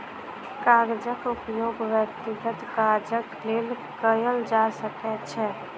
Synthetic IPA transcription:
kaːɾd͡ʒəkʊpjoːɡʋjəkt̪ɪɡət̪kaːɾd͡ʒəkleːl | kəjəld͡ʒasəkɛt͡ʃʰɛ

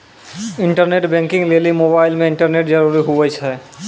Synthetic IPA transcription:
ɪɳʈəɾneʈbɛ̃ŋkɪ̃ŋɡlelimobaːɪlmẽɪɳʈəɾneʈd͡ʒəɾuɾiɦuwət͡ʃʰɛ

